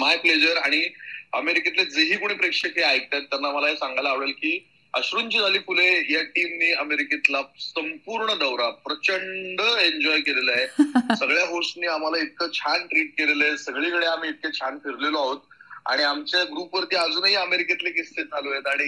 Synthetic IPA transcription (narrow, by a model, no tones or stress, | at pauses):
majpled͡ʑəɾaɽ̃iəmeɾiket̪led͡zəɦiːkuɽ̃iːpɾekʂəkʰeajk̚t̪at̪ːanːaməlaɦesãŋɡajlaʋɽəlkiː | əɕɾuːnt͡ɕid͡zʱaliːfulejaʈimniːəmeɾiket̪lasəmpuɾɳəd̪əwɾapɾət͡ɕəɳɖəeɲd͡ʑɔjkelelaɦesəɡɭjaɦosʈniːam̤alait̪̚kʰət͡ɕʰanʈɾiːʈ̚kelelesəɡɭikəɽeam̤iːt̪̚ket͡ɕʰanfiɾleloaɦot̪̚a̰ɽ̃iamt͡ɕjaɡɾuːpʋəɾt̪iːad͡zuːnaɦiəmeɾiket̪lek̬ist̪ed͡zʱalojet̪aɽ̃i